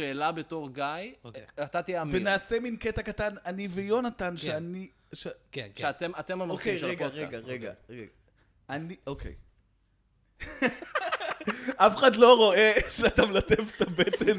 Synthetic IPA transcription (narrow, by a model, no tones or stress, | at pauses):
eːlabeto̞ʁɡajatat̪iamvenaːse̞minketakat̪ananivejo̞nat̪anʃeani | ʃeʃeat̪emat̪emamokejʁeɡaʁeɡaʁeɡa̰eɡa | aniʔokḛj | afeχadlo̞ʁo̞e̞ʃeatamlat̪evt̪abet̪en